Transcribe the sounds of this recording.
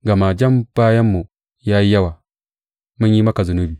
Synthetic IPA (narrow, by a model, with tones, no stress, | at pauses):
ɡa˨ma˨d͡ʒa˦mb̥a˦ja˦mːu˨ | ja˦ji˦ja˦wa˨ | ma˦ji˦ma˦ka˨zu˨nu˦bi˨